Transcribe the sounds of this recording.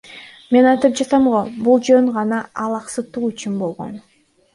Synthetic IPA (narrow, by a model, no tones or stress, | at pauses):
me̞nɑjt̪ɯp̚d͡ʒɑt̪ɑmʁobulˠd͡ʒøɴʁɑnɑɑlˠɑqsɯt̪ːuyt͡ʃynbo̞lˠʁo̞̰n